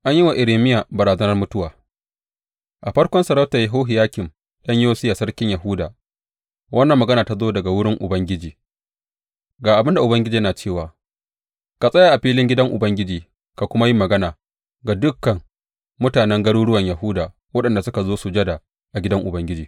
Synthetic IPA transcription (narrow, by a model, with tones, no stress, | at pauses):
ʔa˦ɲjɪ˦wa˨ʔɪ˨ɾeː˨mɪ˦ja˨bɐ˨ɾaː˨zɐ˦nɐ˦rmʊ˦tʊ˦waː˨ | ʔa˨ɸɐ˦rkʷɔ˦nsɐ˨ɾɐ˦wtɐ˨ja˦ɦoː˦ɦɪ˨jaː˦kʲɪ˨m | ɗɐ˦ɲjoː˦sɪ˦jaː˨sɐ˦rkʲɪ˦ɲjɐ˨ɦʊ˦daː˨ | wʔɐ˦nːɐ˨mːɐ˨ɡɐ˦naː˨ta˦zoː˦dɐ˨ɡa˨wʊ˦ɽɪ˦ŋʔʊ˨bɐ˦ŋɡʲɪ˦d͡ʒiː˨ | ɡaː˨ʔa˨bɪ˦nda˨ʔʊ˨bɐ˦ŋɡʲɪ˦d͡ʒiː˨jɐ˦naː˨t͡ʃeː˦˨waː˨ | ka˨sʼɐ˦ja˨ʔa˨ɸiː˦lɪ˦ŋɡʲɪ˦dɐ˦ŋʔʊ˨bɐ˦ŋɡʲɪ˦d͡ʒiː˨ | ka˨kʷʊ˦ma˦ji˦mːɐ˨ɡɐ˦naː˨ | ɡa˨dʊ˦kːɐ˨ŋ | mʊ˦taː˨nɛ˦ŋɡɐ˦ɽuː˦ɽʊ˦wɐ˨ɲjɐ˨ɦʊː˦daː˨ | wɐ˦ɗɐ˨nda˨sʊ˦ka˨zoː˦su˨d͡ʒɐ˦da˨ | ʔa˨ɡʲɪ˦dɐ˦ŋʔʊ˨bɐ˦ŋɡʲɪ˦d͡ʒiː˨